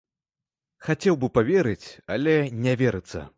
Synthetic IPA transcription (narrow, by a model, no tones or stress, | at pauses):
xat͡sʲɛwbɨpavʲɛɾɨt͡sʲalʲɛnʲɛvʲɛɾɨt̪sːɐ̰